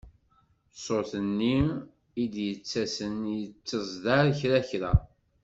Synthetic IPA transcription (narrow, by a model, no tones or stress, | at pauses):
sˤoθənːim | id̪jət͡sːæsənjət͡sːəzˤd̪aɾçɾæçɾæ